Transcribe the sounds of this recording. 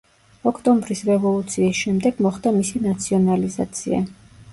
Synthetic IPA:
ɔkʰt̪ʼɔmbɾisɾɛvɔlˠut̪sʰiːsʃɛmd̪ɛɡ̥mɔχd̪amisinat̪sʰiɔnaliza̰t̪sʰḭa̰

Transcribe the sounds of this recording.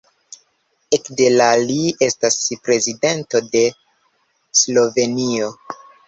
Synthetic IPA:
ekde̞lalie̞staspɾe̞zide̞nto̞de̞ | slo̞ve̞nio̞

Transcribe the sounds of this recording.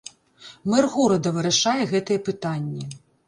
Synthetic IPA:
mɛrɣuɾɐd̪ɐvɨɾɐʂajɛɣɛt̪ɐjɛpɨt̪anʲːɛ

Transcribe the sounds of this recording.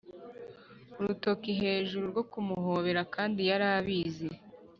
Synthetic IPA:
uɾuto̞kiɦe̞ːʒuɾuɾɡo̞kumuɦo̞βe̞ɾakaːndijaɾaːβiːzi

